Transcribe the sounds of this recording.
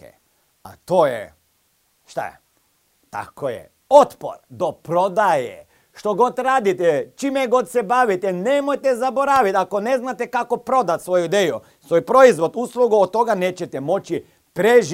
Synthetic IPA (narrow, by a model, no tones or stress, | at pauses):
ḛ | a̰t̪ojḛ | ʃt̪a̰ | t̪a̰kojḛ | ot̪po̰ɾd̪opɾo̞d̪ajḛ | ʃt̪oɡo̞t̪ɾaːd̪it̪ɛt͡ʃimeɡo̞t̪sebaʋit̪ɛnemojt̪ɛzabo̞ɾaʋit̪ako̞neznat̪ekakopɾo̞d̪at̪sʋo̞juid̪eju | sʋojpɾo̞izʋo̞d̪uslˠuɡuot̪t̪ːo̞ɡaneːt͡ɕet̪emo̞t͡ʃi | pɾeʒ